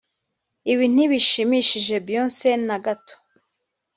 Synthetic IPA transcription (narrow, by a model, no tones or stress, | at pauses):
iβin̥iβiʃimiʃiʒe̞bjonse̞naɡatʰo̥